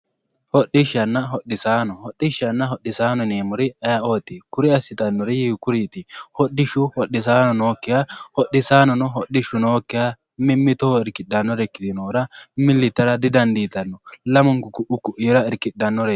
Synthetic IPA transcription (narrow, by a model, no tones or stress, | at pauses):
hɔɗːɪʃɐnːɐɦɔɗːɪsaːnɔhɔɗːɪʃɐnːɐɦɔɗːɪsaːnɔneːmʊɾɪɐjɐo̞ːt̪ːɪkʊɾɪɐsːɪt̪ɐnːɔɾɪhikʊɾiːt̪ɪhɔɗːɪʃʊhɔɗːɪs̬aːnɔnoːkːɪjahɔɗːɪsaːnɔnɔɦɔɗɪʃʊnoːkːɪja | mɪmːɪt̪oɪɾkɪɗɐnːɔɾɛkːɪt̪ɪnoːɾɐmɪlːɪt̪ːɐɾɐd̪ɪd̪ɐnd̪iːt̪ɐnːɔlɐmɔŋkʊkʊʔʊkʊʔɪjɾɐɪɾkɪɗːɐnːɔɾɛ